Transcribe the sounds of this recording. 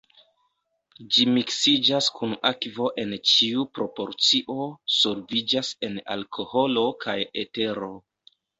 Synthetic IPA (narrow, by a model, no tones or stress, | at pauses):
d͡ʒimiksid͡ʒaskunakvo̞ʔe̞nt͡ʃiupɾo̞po̞ɾt͡siʔo̞soɾvid͡ʒase̞na̰lkʰo̞ho̞lo̞kʰajḛte̞ɾo̞